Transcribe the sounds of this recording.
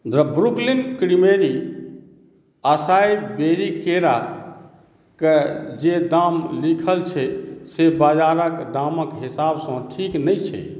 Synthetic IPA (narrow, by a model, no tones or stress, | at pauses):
d̪ɾəbɾuklinkɾimeɾi | əsajbeɾikeɾa | ked͡ʒed̪amlikʰəlt͡ʃʰɛsebad͡ʒaɾəkd̪aməkɦisabsə̃ʈʰiknəjt͡ʃʰɛ̰